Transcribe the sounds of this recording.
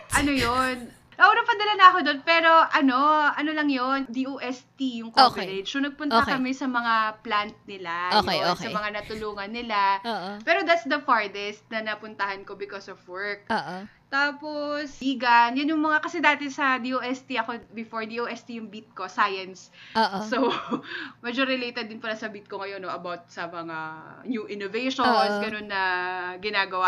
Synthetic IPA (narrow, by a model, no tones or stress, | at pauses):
ʔɐnojon | nɐʔoːɾɐŋpɐnd̪ɐlanɐɐko̞d̪o̞npɛːɾo̞ʔɐno̞ʔɐnolɐŋjond̪iʔoːʔɛst̪ijʊŋkoɛlɛd͡ʒonɐɡ̚pʊnʔ̪ɐkɐmɛsɐmɐŋaplant̪̚nɪlaojeosɐmɐŋanɐt̪ʊluːŋɐnːɪlaoːpɛːɾo̞d̪at̪sd̪ɐfaɹd̪ɛst̪̚nɐnɐpʊnt̪ɐhɐnko̞bɪkosɔvwɛɹk̚ʔoːʔt̪aːposiːɡɐnjɐnjʊŋmɐŋakɐsɛd̪aːt̪ɛsɐd̪iʔoːʔɛst̪iʔɐko̞bɪfoɹd̪iʔoːʔɛst̪ijʊŋbit̪̚ko̞sajɐnsoːʔːow | mɛd͡ʒoɾɪlejt̪ɛd̪̚ːɪnpɐlasɐbiːt̪̚koŋɐjo̞noʔɐbawt̪̚sɐmɐŋanjuʔɪnovejʃosɡɐno̞nːɐɡɪnaːɡɐwa